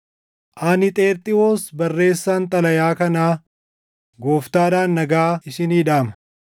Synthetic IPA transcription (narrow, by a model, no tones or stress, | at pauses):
ʔaːnɪt̪ʼe̞ːɾt̪ʼɪwoːsbɐrːe̞ːsːaːnt̪ʼɐlɐjaːkɐnaː | ɡoːft̪aːd̪aːnːɐɡaːɪʃɪniːᶑaːmɐ̥